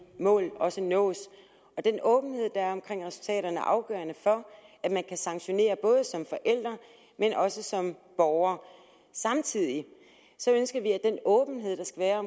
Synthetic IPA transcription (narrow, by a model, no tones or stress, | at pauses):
mɔ̰̽ːlɒ̽sənɔ̰̽ːs | ɒ̽d̥enɔ̽ːb̥n̩he̝ð̞̰ˠd̥ɑ̈æɐɒ̽mkʰʁeŋ̰ʁɛsu̥lt͡sʰɛ̰ːɾɐnəæɐʔɑ̈ʊɡ̥œ̰ːɐnəfɒ̽æd̥mænkʰæsɑ̈ŋɕo̝ne̝̰ːɐb̥ɔ̽ːð̞ˠəsɒ̽mfɒ̽ʔel̰d̥ʁɐ | menʔɒ̽səsɒ̽mb̥ɒʊɐ | sɑ̈mt͡sʰið̰ˠi | sɒ̽ønsɡ̥ɐʋiæd̥enɔːb̥ən̩ɦe̝ð̞̰ˠd̥ɑ̈sɡ̥æʋæːɐɒ